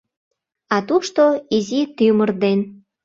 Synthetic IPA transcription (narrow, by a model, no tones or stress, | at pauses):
ɑt̪uʃt̪oizit̪ymərd̪en